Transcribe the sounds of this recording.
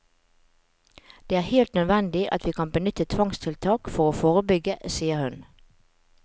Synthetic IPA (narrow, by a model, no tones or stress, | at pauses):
d̪̥eːæːʁheːlt̪nœd̪ʋɛnd̪ɪʔɑ̰t̪ʰʋiːkʰɑnbənʏt̪ət̪ʰʋɑŋst̪ʰɪlt̪ʰɑːkfɔʁoːfoːʁəbʏɡəsiːəʁhʉn